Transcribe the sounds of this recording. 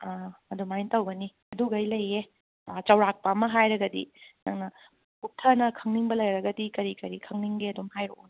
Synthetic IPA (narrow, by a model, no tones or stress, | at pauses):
aɐdumajntɐwɡɐni | ɐduɡɐjlɐjːe | t͡ʃɐwɾak̚pɐːmɐɦajɾɐɡɐdḭnɐŋnɐ | putʰɐnɐkʰɐŋniŋbɐlɐjɾɐɡɐdikɐɾikɐɾikʰɐŋniŋɡeɐdomhajɾo̰on